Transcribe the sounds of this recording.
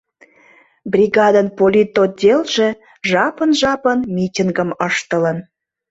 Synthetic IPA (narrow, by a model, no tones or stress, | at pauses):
brʲiɣɑd̪ənpolʲit̪od̪ʲelʒĕ | ʒɑpənʒɑpənmʲitʲiŋɡəməʃt̪ələ̆n